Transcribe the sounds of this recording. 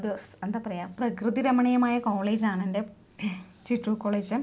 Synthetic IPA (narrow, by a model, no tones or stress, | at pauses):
d̪joːsend̪aːpɐrɐjaːprɐkrɨðiɾɐmɐɳɐjɐmaːjɐkoːɭeːd͡ʑaːɳende | t͡ɕiʈrukːoːɭeːd͡ʑɨ